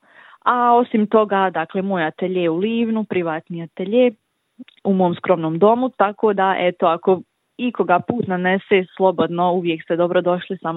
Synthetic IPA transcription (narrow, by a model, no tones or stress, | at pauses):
ao̞simt̪o̞ɡad̪akle̞mo̞ːjat̪eʎeuliːʋnupɾiʋaːt̪niat̪eʎe | umo̞ːmskɾo̞mnoːmd̪o̞mut̪akoːd̪aʔet̪o̞ako̞ | iko̞ɡapuːt̪naneseːslˠo̞bo̞d̪no̞uʋje̞kst̪ed̪o̞bɾod̪o̞ʃlisam